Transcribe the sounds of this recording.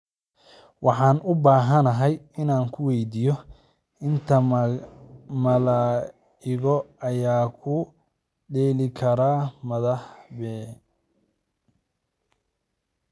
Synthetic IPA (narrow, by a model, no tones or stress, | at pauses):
wɑħɑːnʊbaːɦɐnɐɦɛjɪnaːŋkʰʊwɛjd̪iːjɔ | ɪnt̪ʰɐ | mɐlaː | ɪɣɔɐjaːkʰʊ | ɖɛːlɪkʰɐɾaːmɐðɐħbɛː